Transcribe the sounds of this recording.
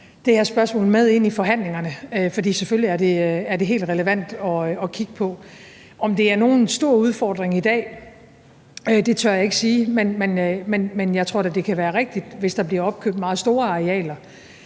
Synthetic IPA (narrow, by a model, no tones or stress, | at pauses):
d̥e̝hæɐsb̥ɶɐsmɔ̰̽ːl̩með̞ˠe̝n̰ifɒ̽ɦæn̰le̝ŋɐnəøfɒd̥ḭːseføliæɐde̝æɐde̝ɦe̝̰ːld̥ʁɛləʋæn̰d̥ɒ̽ɒ̽kʰiɡ̥əpʰɒ̽ | ɒ̽md̥e̝æɐno̝ːnsd̥o̝ɐ̰uð̞ˠfɒːd̥ʁeŋid̥ɛ̰ː | ød̥e̝t͡sʰɶɐjɑ̈e̝ɡ̥siːmenmenømenmenjɑ̈ɪt͡sʰʁo̝ɐdæd̥e̝kʰæʋæːɐʁeɡ̥̚d̥id̥ʋe̝sd̥ɑ̈b̥liɐɒ̽b̥̚kʰøɐd̥mɑ̈ːð̩ˠsd̥o̝ːɐɑ̈ʁeɛ̰ːlɐ